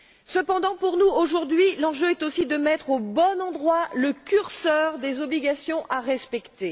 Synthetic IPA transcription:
səpɑ̃d̪ɑ̃puʁnuoʒuʁd̪ɥilɑ̃ʒøɛt̪osid̪əmɛt̪χobɔnɑ̃d̪ʁwaləkʲyʁsœʁd̪ezɔbliɡʲasjɔ̃ʔaʁɛspɛkt̪e

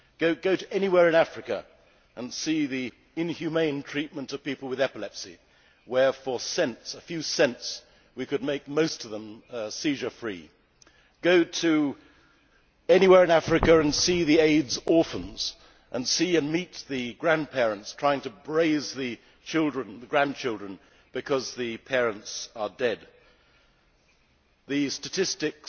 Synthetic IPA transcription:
ɡ̥oʊɡoʊɾɨʔɛñiwɛɹɨ̃ñæfɹɨkɨ̰ | ə̃nsiði | ɪ̃nhjʉmẽɪ̃ntʰɹ̥it̚mə̃ntʌv̥pipl̩ˠwɨðɛpəlɛpsḭ | wə˞fə˞sɛ̃ntsəfjʉsɛ̃nts | wikɨd̚meɪk̚moʊstʌvðə̃msiʒə˞fɹḭ | ɡ̥oʊɾɨ | ɛniwɛɹɨ̃næfɹɨkɨɨ̃nsiðieɪdzɔɹfə̃nz̥ | ʔə̃nsiɨ̃nmit̪̚ðɨɡɹæ̃npʰɛɹɨ̃ntstʰɹ̥aɪɪ̃ŋtɨbɹeɪzðɨ | t͡ʃʰɪlˠdɹɨ̃nðɨɡɹæ̃nt͡ʃʰɪlˠdɹɨ̃n | b̥ɨkʰʌzðɨpʰɛɹɨ̃ntsə˞dɛd̪̚ | ðɨstɨtʰɪstɨk

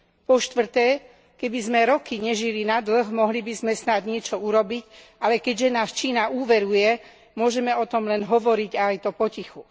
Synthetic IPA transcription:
pɔʃt̪ʋr̩t̪ɛː | kɛbizmɛɾɔkiɲɛʒilinad̪l̩ɣmɔɦlibizmɛsnad̪ɲɪɛt͡ʃɔuɾɔbic | alɛkɛɟʒɛnaːst͡ʃiːnauːʋɛɾujɛ | mʊɔʒɛmɛɔt̪ɔmlɛnɦɔʋɔɾiɟajt̪ɔpɔcixu

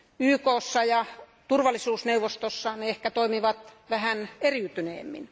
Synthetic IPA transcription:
yːkoːsːɑjɑ | t̪urʋɑlːˑisuːsneuʋost̪osːɑneehkæt̪oimiʋɑt̪ʋæhæneriːt̪ynḛːmːḭn

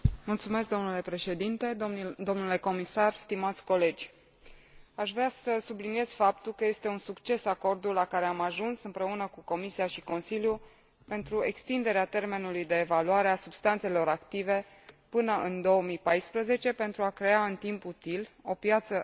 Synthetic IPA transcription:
mult̪sumesk̚d̪o̞mnule̞pɾe̞ʃe̞d̪int̪e̞d̪o̞mnule̞ko̞misarst̪imat̪sʲko̞le̞d͡ʒʲ | aʃvɾasəsublinije̞z̥fap̚t̪ulkəje̞st̪e̞unsukt͡ʃe̞sako̞rd̪ulːakaɾe̞amaʒunsɨmpɾe̞unəkuko̞misiaʃiko̞nsilju | pe̞nt̪ɾue̞kst̪ind̪e̞ɾeat̪e̞rme̞nulujd̪e̞ːvaluaɾe̞asub̥st̪ant̪se̞lo̞ɾakt̪ive̞ | pɨnəʔɨnd̪o̞əmipajspɾəze̞t͡ʃe̞pe̞nt̪ɾuakɾe̞aɨnt̪imput̪ilo̞pjat̪sə

